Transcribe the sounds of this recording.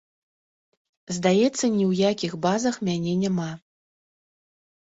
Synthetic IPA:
zd̪ajɛt̪sːɐnʲiwjakʲixbazɐxmʲanʲɛnʲama

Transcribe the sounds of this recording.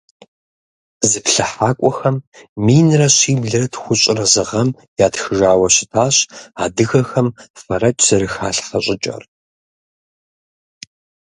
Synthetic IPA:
zɨpɬɐħaːkʷʼɔxɐmːiːnrɐɕiːbɮɨrɐtʰxʷʊɕʼɪrɐzɨʁɐm | jaːtxɨʒaːwɐɕɪtʰaːɕaːdɨɣɐxɐmfɐɾɐt͡ʃʼʰz̥ɐɾɨxa̰ːɬħɐɕʷʼɪt͡ʃʼɐ̰r

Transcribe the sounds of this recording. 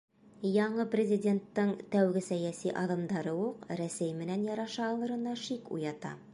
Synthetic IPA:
jɑɴɤprʲɪzʲɪdʲe̞nt̪ːɤɴt̪æwɡɘsæjæsiʔɑðɑmd̪ɑɾɤuqɾæsæjmɘ̆nænjɑɾɑʃɑːlˠɤ̆ɾɤ̆nɑʃikṵjɑt̪ɑ̰

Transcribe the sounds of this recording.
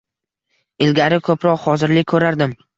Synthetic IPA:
ɪlɡʲaɾɪkʰɵpɾɒqχɒzɪɾlɪkʲkʰɵɾaɾd̪ɪm

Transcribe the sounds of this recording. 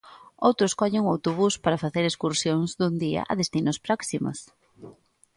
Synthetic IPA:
owt̪ɾʊskɔʎeŋwawt̪oβ̞uspaɾɐfaθeɾeskuɾsjoŋzd̪und̪iɐ̰ʔɐ̰ðest̪inʊspɾɔksimo̰s

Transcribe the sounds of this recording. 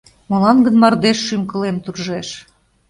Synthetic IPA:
molɑnɡənmɑrd̪eʃːymkə̆lemt̪urʒeʃ

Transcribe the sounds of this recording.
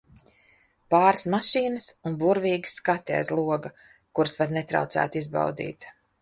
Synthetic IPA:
paːɾəsmaʃiːnɐsunbuɾviːɡi̥sːkat̪ʲa̰jzlˠuɔɡa | kuɾsvaɾnet̪ɾa̰wt̪sæ̰ːt̪izba̰wd̪ḭːt̪

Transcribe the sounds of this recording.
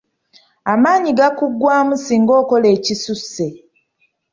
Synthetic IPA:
amaːɲiɡakuɡːwaːmusiːŋɡo̞ːko̞le̞ːcisuse

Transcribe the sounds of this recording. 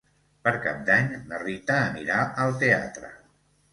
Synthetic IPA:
pəɾka̰p̚d̪aɲnərit̪əːniɾaʔəlˠt̪ea̰t̪ɾə̰

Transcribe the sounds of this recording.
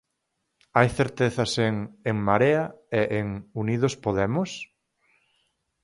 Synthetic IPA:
ajθeɾt̪eθɐseŋeŋmaɾeaeʔeŋunið̞ospoðɛmʊs

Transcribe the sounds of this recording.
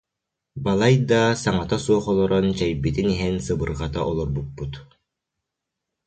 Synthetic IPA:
balˠajd̪asaŋat̪asuɔχɔlˠɔɾɔnt͡ɕajbit̪iniɦɛnsɯbɯɾʁat̪aʔɔlˠɔɾbut̚but̪

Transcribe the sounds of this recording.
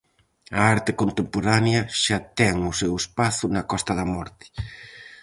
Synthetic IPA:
ɐaɾt̪ɪkont̪empoɾaneɐʃat̪ɛŋʊsewespaθʊnɐkɔst̪ɐðɐmɔɾt̪ɪ̥

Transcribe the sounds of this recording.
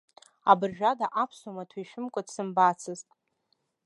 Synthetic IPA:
a̰bɨrʒᶣadaʔapʰsomatʰiʃᶣɪmkʷʼadsɨmbat͡sʰɨztʼ

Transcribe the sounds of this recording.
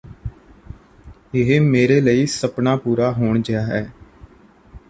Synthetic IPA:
ɪɦemeːɾeːləiːsəpnaːpuːɾaːɦoːɳd͡ʒeaːɦɛː

